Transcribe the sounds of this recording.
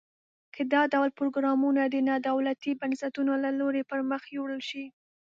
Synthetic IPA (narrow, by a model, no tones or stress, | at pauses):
kʰəd̪ɑd̪awlpɾoɡɾɑmunad̪ənɑd̪awlat̪ibansat̪unolaloɾepəɾməxjoɽəlʃi